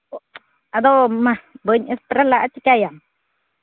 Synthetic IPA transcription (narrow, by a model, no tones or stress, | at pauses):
ad̪ɔwmabəɲɪspɾalaʔat͡ʃɪkajam